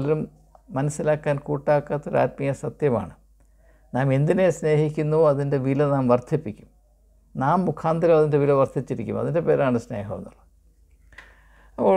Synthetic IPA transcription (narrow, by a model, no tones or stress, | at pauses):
lɐɾumː | ɐnɐsːilaːkːaːnkuːʈːaːkːɐt̪ːo̞ɾa̰ːt̚mijɐsɐt̪jɐma̰ːɳɨ | naːme̞nd̪ine̞sne̞ːɦikʲːunːuɐðinde̞ʋilɐnaːmʋɐrt̪ʰːipːikʲːum | naːmːukʰaːnd̪ɐɾɐmɐðinde̞ʋilɐʋɐrt̪ʰːit͡ɕːiɾikʲːumɐ̰ðinde̞pe̞ːɾaːɳɨsne̞ːɦo̰ːd̪ɐr | ɐpːoː